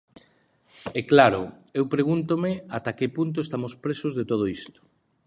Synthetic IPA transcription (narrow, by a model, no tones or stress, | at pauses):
ɛklaɾʊ̰ewpɾeɣ̞unt̪omɪat̪akepunt̪̬oest̪amoʊspɾesozðet̪oð̞oist̪ʊ̥